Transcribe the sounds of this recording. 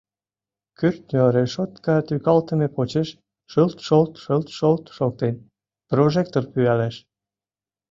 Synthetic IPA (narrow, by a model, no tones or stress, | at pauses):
kyrt̪nʲøɾeʃot̪kɑt̪ykɑlt̪ə̆mepot͡ɕeʃ | ʃəlt̪ʃolt̪ʃəlt̪ʃolt̪ʃol̚t̪en | proʒek̚t̪orpyælæʃ